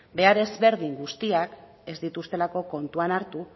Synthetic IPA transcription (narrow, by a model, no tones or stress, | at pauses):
be̞aɾe̞zβe̞ɾðiŋɡust̪iak | e̞zd̪it̪ust̪e̞lako̞ko̞nt̪uanaɾt̪u